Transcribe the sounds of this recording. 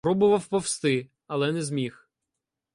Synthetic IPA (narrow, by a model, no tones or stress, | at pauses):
ɾɔbʊʋɐwpɔwst̪ɪ | ɐlˠɛnɛzmʲix